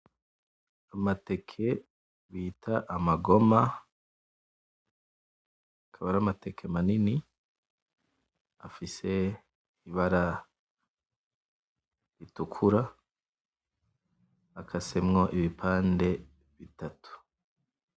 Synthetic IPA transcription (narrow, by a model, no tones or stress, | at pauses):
amate̞kʰe̞ | βiːtʰaʔamaɡo̞ma | akʰaβaɾamate̞kʰe̞manini | afise̞ | iβaɾa | ɾitukʰuɾa | akʰase̞mŋoʔiβipʰaːnde̞ | βitatu̥